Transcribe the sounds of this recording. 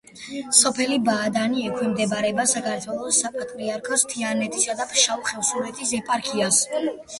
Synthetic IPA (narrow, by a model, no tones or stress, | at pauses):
sɔpʰɛlibaːd̪aniɛkʰwimd̪ɛbaɾɛbasakʰaɾt̪ʰwɛlˠɔsapʼat̪ʼɾiaɾkʰɔst̪ʰianɛt̪ʼisad̪apʃauχɛvsuɾɛt̪ʰʼisɛpʼaɾkʰias